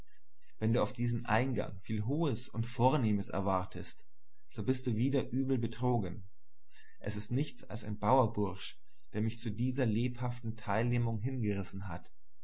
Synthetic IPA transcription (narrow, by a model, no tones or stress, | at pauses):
vɛnduːaʊfd̥iːzəm̩ʔa̰ɪnɡa̰ŋfiːlɦoːəsʊntfoːɐneːməsɛ̰ɐvaɐtʰəst | z̥oːbɪst̚d̥uːviːdɐʔyːbl̩bətʁ̥oːɡən | ʔɛsɪstnɪçt͡sa̰lsaɪnbaʊɐbʊɐʃ | d̥eːɐmɪçt͡sudiːzɐleːphaftn̩tʰaɪlneːmʊŋɦɪnɡəʁɪsn̩ɦat